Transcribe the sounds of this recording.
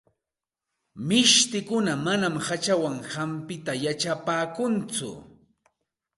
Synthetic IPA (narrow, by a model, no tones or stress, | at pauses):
mɪʃt̪ɪkʊnamanamhat͡ʃawaŋhampɪt̪ajat͡ʃapaːkʊnt͡sʊ̰